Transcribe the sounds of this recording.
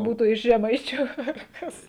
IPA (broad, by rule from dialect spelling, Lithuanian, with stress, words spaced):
ˈbuːtʊ ɪʃ ʒʲɛˈmɐɪt͡ʃʲʊ ɐr ˈkɐs